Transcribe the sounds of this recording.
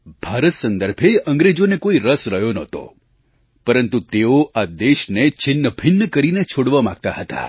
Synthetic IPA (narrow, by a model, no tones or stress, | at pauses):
b̥ʱaɾət̪sənd̪əɾbʱeʔə̃ŋɡɾed͡ʒonekoiɾəsɾəɦjonət̪o̰ | pəɾənt̪ut̪eoad̪eʃnet͡ʃɪnːəbʱɪnːəkəɾinet͡ʃʰoɽʋamã̰ɡ̚t̪aɦət̪a̰